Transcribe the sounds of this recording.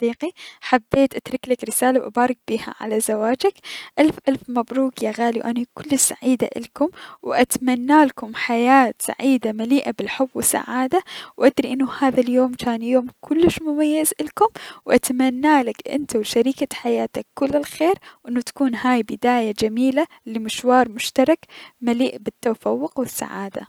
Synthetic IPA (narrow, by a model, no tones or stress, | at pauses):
d̪iːqiħabːeːt̪ʔat̪ɾˤɪklakɾɪsaːlawʔa̰bɑːɾˤɪk̚b̥iːha̰ʕa̰lazawaːd͡ʒakʔalfʔalfmabɾuːkjaɣaːliwʔanakʊlːɪʃsːa̰ʕiːd̪a̰ʔɪ̰lkʊmwʔat̪manːaːlkʊmħajaːt̪sa̰ʕiːd̪amaliːʔabɪlħʊbːwɪsːa̰ʕaːd̪awʔad̪ɾiʔɪnːʊhaːðaljoːmt͡ʃaːnjoːmkʰʊlːɪʃmʊmajːazʔɪlkʊmwʔat̪amanːaːlakʔɪ̰nt̪awʃaɾiːkaħajaːt̪akːʊlːɪlxeːɾwʔɪnːʊt̪ḁkuːnɦaːjbɪd̪aːjad͡ʒamiːla | limɪʃwɑːɾˤmʊʃt̪ɑɾˤɑkmaliːʔbɪt̪ːafawːʊqwɪsːa̰ʕa̰ːd̪a̰